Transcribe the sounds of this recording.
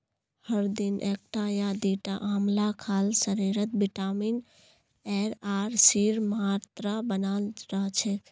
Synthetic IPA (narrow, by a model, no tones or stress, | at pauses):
həɾd̪inʔek̚ʈajad̪iʈaʔaːmlakʰaːlsəɾiɾət̪̚biʈamin | ɛɾaɾsiɾmaɾt̪ɾabənalɾat͡ʃʰɛk